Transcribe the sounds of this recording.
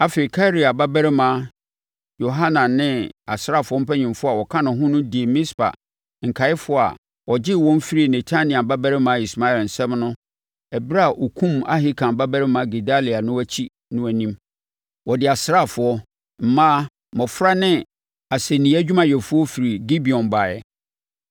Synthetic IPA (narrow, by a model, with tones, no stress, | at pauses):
a˦fe˨i˨kʰa˦ɾi˨a˨ba˦bæ˦ɾɪ˦mã˦ | jo˨ɦã˦nã˨nɪ̃˦a˨sɾa˦˨fʊ˨˦ɔ˦m̩˦pʰæ˦ɲɪ̃˨mfʊ˦a˨wɔ˨kʰã˦nʊ̃˨ɦʊ̃˦nʊ̃˦di˨e˨mɪ̃˦spa̰˨ | ŋ̩˨kʰa˨ɪ˦fʊ˦a̰˨ | wɔ˨d͡ʑɪ˦wɔ̃˦n˦fi˦ɾi˦˨nɛ˨tʰa˦nɪ̃˨ã˨ba˦bæ˦ɾɪ˦mãː˨˦i˨sma˦ɛ˨ln̩˨sɛ̃˦mnʊ̃˦ | ɛ˨bɾa˦a˨ʔɔ˨kʰũ˦ma̰˦ɦi˦kʰã˨m˨ba˦bæ˦ɾɪ˦mã˨˦ɡe˨da˦li˨a˨nʊ̃˦æ˦t͡ɕʰi˦ | nʊ̃˦æ˨nĩ˦m | wɔ˨dɪ˨a˨sɾa˦˨fʊ˨˦ɔ˦ | m̩˨mã˦ | mɔ̃˨fɾa˦nɪ̃˦ | a˨sɛ˨nĩ˨˦æ˦d͡ʑᶣu˦mã˨jɛ˨fʊ˦ɔ˦fi˨ɾi˨ɡi˦bi˨ɔ̃˨nba˨jɛ̰˨